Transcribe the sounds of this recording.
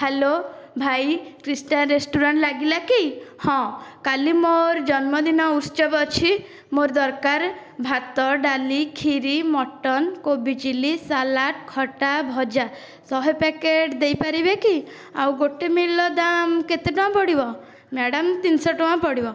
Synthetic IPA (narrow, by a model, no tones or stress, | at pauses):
helobʱajkɾisʈanɾesʈuɾaɳʈlaɡilakihɔ̃kalimoɾd͡ʒɔnmɔd̪inɔust͡ʃɔbɔt͡ʃʰi | moɾd̪ɔɾkaɾ | bʱat̪ɔɖalikʰiɾimɔʈɔnkobit͡ʃilisalaʈkʰɔʈabʱɔd͡ʒa | sɔɦepɛkeʈd̪ejpaɾibeki | awɡoʈemilɔd̪amket̪eʈɔãpɔɽibɔ | mɛɽamt̪insɔʈɔwãpɔɽibɔ